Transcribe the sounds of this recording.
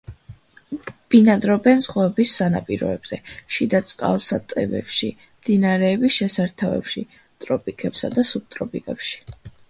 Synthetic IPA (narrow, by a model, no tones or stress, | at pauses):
b̥inad̪ɾɔbɛnzʁɔɛbisːanapʼiɾɔ̰ɛbz̥ɛʃid̪at̪sʼqʼa̰lˠsat̪ʼɛ̰bɛ̰pʃi | md̪̥inaɾɛːbisʃɛsaɾt̪ʰavɛ̰pʃi | t̪ʼɾɔpʼikʼɛpsad̪asub̚t̪ʼɾɔpʰʼikʼɛpʃi̥